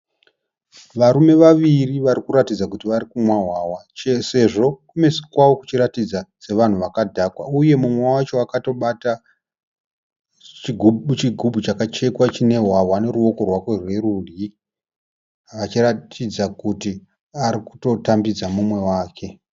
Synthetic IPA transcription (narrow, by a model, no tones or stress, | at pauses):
ʋaɾume̞ʋaʋiriʋaɾikuɾatid͡zakutiʋaɾikumwaɦwawat͡ʃese̞ʐo̞kume̞si̥kwawoku̥t͡ʃiɾatid͡zase̞ʋan̤uʋakadʱakwa̰uje̞mumwawat͡ʃo̞akato̞ɓata | t͡ʃiɡʱut͡ʃiɡʱubʱut͡ʃakat͡ʃe̞kwat͡ʃine̞ɦwawane̞ɾuwo̞ko̞rwako̞rwe̞rudi | ʋat͡ʃiratʰid͡zakuti | aɾiku̥to̞tambid͡zamumwe̞waːkʰe̞